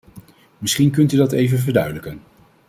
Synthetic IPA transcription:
mɪsχink̬ɵntydɑtejvənvəɹdœɥdələkən

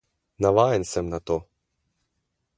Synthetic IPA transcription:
naʋajɛnsɛmnat̪ɔ

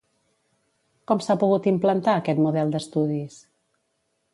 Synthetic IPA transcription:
kɔmsapuɣut̪implənt̪aəkɛt̪muðɛlˠd̪əst̪uðis

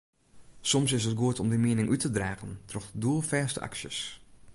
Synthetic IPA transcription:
sɔmsɪsətɡuətɔmdəmiənɪŋʔytʰədraːɣəntrɔxduəlˠfɛːstə̰ʔa̰ksjə̰s

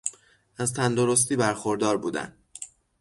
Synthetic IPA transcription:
ʔæzt̪ʰænd̪o̞ɾos̬t̪iːbæɾxoɾd̪ɒːɾbuːd̪æ̰n

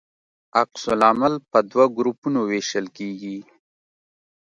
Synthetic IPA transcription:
aqsʊlamalpəd̪waɡɾupunoweʃəlkeɡi

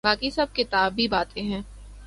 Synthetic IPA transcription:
baːkisɐb̚kɪt̪aːbːibaːt̪ẽɦɛ̃ː

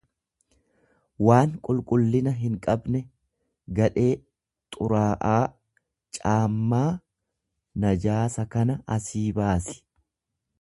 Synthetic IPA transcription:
waːŋkʼʊlkʼʊlːɪnɐɦɪŋkʼɐbnɛ | ɡɐᶑe̞ː | t̪ʼʊɾaːʔaː | t͡ʃʼaːmːaː | nɐd͡ʒaːsɐkɐnɐɐsiːbaːsɪ̥

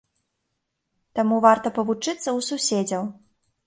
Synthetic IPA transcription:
t̪amuvart̪ɐpɐvut͡ʂɨt̪sːɐwsusʲed͡zʲɐw

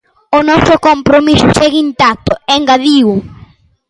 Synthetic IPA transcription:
ʊnɔsʊkompɾomisʊʃɛɣint̪ak̚t̪ʊɛŋɡaðiw

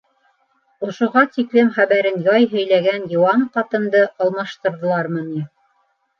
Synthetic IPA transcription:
ŏʃŏʁɑt̪iklɘmχæβæɾɘnjɑjɦɵ̆jlæɡænjŏwɑnqɑt̪ɤ̆md̪ɤʔɑlˠmɑʃt̪ɤ̆ɾðɤ̆lˠɑɾmɤni

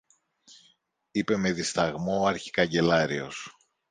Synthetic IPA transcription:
ipe̞me̞ðist̪ɐɣmoɐɾçi̥kɐɲɟe̞lɐɾio̞̰s

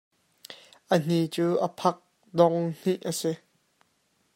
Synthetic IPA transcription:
ʔən̥it͡suːʔəpʰɐk̚ | dɔŋn̥iʔəsi

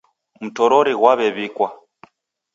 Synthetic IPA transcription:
m̩tɔɾɔɾiɣwaβɛβikwa

